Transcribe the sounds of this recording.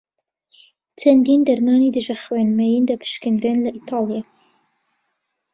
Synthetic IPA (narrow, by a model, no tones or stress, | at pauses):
t͡ʃʰɐnd̪iːnd̪ɐɾmɑːnid̪ɨʒɐxweːnmɛjind̪ɐpʰɨ̥ʃkɨnɾenlɐʔit̪ʰɑːlˠijɑ